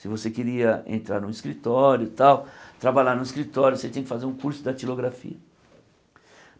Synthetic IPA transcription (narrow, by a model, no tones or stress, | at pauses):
sɪvosekiɾiɐḛ̃nt̪ɾaɾnʊ̃iskɾit̪ɔɾjʊt̪awt̪ɾabaʎaɾnʊiskɾit̪ɔɾjʊset̪ẽj̃kɪfazeɾũkuɾsʊd̪ɐt͡ʃiloɡɾafḭɐ